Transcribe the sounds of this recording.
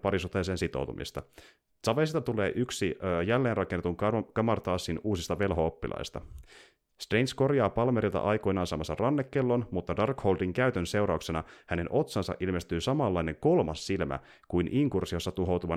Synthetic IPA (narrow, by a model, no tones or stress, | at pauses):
pɑɾisut̪ːˑeseːnsit̪o̞̰wt̪ṵmʔḭst̪ɑ | sɑʋesit̪ɑt̪ule̞ːʔyksiːjælːe̞ːnrɑkenːet̪uŋkɑmɑrt̪ɑːsːinuːsist̪ɑʋe̞lɦo̞opːḭlɑ̰jst̪ɑ̰ | st̪reinsko̞rjɑːpɑlmeɾilt̪ɑ̰ʔɑjko̞jnɑːnsɑːmɑsːɑrɑnːekːelːo̞nmut̪ːɑdɑrkhowldiŋkæɥt̪ønse̞wɾɑuksenɑhæne̞nʔo̞t̪sɑnsɑ̰ʔilme̞st̪yːsɑmɑlːɑjne̞ŋko̞lmɑsːilmæ̰ | kujnʔiŋkursio̞sːɑt̪uɦo̞wt̪uʋɑ